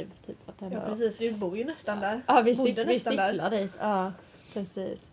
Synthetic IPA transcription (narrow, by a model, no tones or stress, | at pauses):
vt̪ʰyːpfat̪̚hɛnɑːɾɛs̬iːsd̪ɛbuːɾjənɛst̪and̪æɾɑːvɪsɪd̪ənɪsaɪd̪æɾladiːt̪ʰɑː | pʰɾɛsiːs